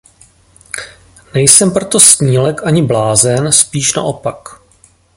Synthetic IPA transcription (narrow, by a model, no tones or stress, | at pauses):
nɛjsɛmpɾot̪o̞sɲiːlɛkʔaɲɪblaːzɛnspiːʃna̰ʔo̞pak